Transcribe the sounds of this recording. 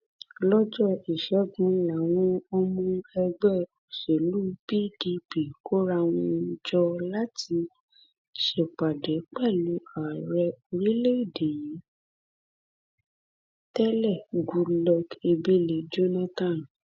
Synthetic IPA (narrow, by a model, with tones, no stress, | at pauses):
lɔ˦d͡ʒɔ˦i˨ʃɛ˨˦ɡũ˨˦la˨w̃ɔ̃˧ɔ˧mũ˧ɛ˧ɡ͡bɛ˦˨o˨se˨lu˦pi˦di˧pi˨ko˦ɾa˧w̃ɔ̃˧˦d͡ʒɔ˧la˦ti˧ | ʃe˨k͡pa˨dɛ˨˦k͡pɛ˦˨lu˨˦a˨ɾɛ˧o˧ɾi˦le˦i˦˨de˨jĩ˨˦ | tɛ˦lɛ˦˨ɡu˧lɔ˧ke˧be˦le˨d͡ʒo˦nã˦tã˦˨n